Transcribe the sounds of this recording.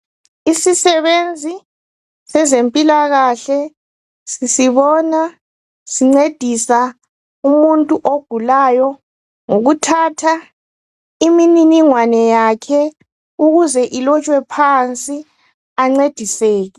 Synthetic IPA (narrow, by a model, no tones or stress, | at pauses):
isisɛβend͡zʱi | sɛzempʼilaɣaɬɛ | sisiβɔna | siŋ͡ǀed̥ʱisa | umuntʼuʔoɡ̥ʱulajɔ | ŋoɣutʰatʰa | imininiŋwanɛjakʰɛ | uɣuzɛʔilɔt͡ʃʼwɛpʰant͡sʼi | aŋ͡ǀed̥ʱiseːɣi